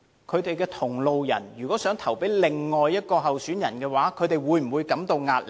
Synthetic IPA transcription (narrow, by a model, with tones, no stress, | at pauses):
kʰɵ˨˧ɥt̪e˨jkɛː˧t̪ʰʊ˨˩ŋlo˨˧wjɐ̰˨˩nɥyː˨kɔ˨˥sœː˨˥ŋt̪ʰɐ˨˩wpe˨˥jlɪ˨ŋːɔː˨jːɐ˥t̚kɔː˧ɦɐ˨wsyː˨˥njɐ˨˩nkɛː˧waː˨˥kʰɵ˨˧ɥt̪e˨jwuː˨˧jm̩˨˩wuː˨˧jkɐ˨˥mt̪o˧wŋaː˧t̚l